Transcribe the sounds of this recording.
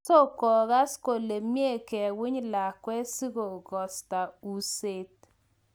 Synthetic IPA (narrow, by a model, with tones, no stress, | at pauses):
so˦kɔ˨ɣa˦sko˨le˨mje˦˨kɛ˨wɪ˦ɲla˨kwɛ˦si˦ɣo˨ɡɔ˨sta˨u˦se˦t̚